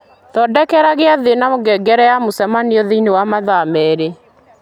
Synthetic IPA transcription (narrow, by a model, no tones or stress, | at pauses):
tɔdɛkɛɾaɣeaðenamoɡɛɡɛɾɛjamosɛmaniɔðeinewamaðamɛɾe